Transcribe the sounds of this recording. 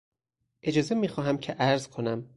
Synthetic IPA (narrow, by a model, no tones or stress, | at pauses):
ʔe̞d͡ʒɒːze̞miːxɒːɦæmcʰeʔæɾzkʰo̞næm